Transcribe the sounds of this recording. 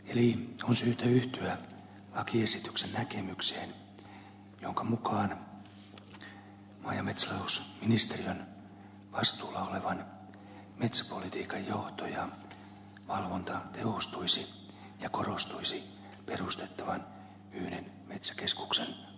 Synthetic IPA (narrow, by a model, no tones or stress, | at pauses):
elionsyːht̪æyht̪yæ | lɑkiesit̪yksennækemykseːn | joŋkɑmukɑːn | mɑjɑmet̪sælɑusminist̪eriøn | ʋɑst̪uːlɑoleʋɑn | met̪sæ̥polit̪iːkɑjjoht̪ojɑ | ʋɑlʋont̪ɑt̪ʰeost̪uisi | jɑkorost̪uisi | perust̪et̪ːɑʋɑn | yhnenmet̪sæ̥kesku̥ksen